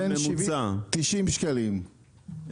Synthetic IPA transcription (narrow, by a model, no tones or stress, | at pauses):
enmvsat̪iʃimʃkalim